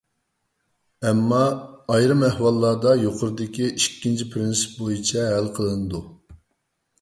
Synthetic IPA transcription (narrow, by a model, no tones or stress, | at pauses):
ɛmːɑːjɾɨmæhwɑlˠːɑd̪ɑjoqʰʊɾɨd̪ɪkʲiiʃkʲːint͡ʃʰipʰɾɪnsɨ̥p̚bojit͡ʃʰɛɦælqʰəlˠɨnɨd̪u